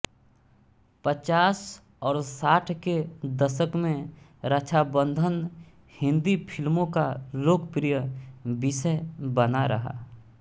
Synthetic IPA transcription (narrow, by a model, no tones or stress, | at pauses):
pət͡ʃaːs | ɔːɾsaːʈʰked̪əʃəkmẽ | ɾət͡ʃʰabə̃nd̪ʱən | hɪ̃nd̪ipʰɪlmõkaloːkpɾijəbɪsəbənaɾɐ̰ɦa̰ː